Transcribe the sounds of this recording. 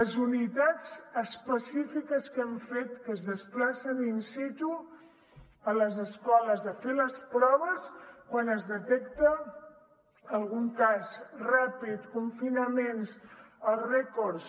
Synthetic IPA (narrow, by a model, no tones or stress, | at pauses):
əzunit̪ad͡zəspəsifikəskɛmfet̪kəzðəsplasəninsit̪u | ələzəskɔləzəfeləspɾɔβ̞əskwanəzðət̪ɛkt̪ə | əlˠɣuŋkasrapit̪kuɱfinəmensəlˠrɛkɔɾs